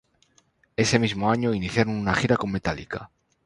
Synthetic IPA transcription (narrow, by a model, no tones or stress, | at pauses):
e̞se̞mizmo̞aɲo̞iniθjaɾonunaxiɾakomːe̞t̪alḭka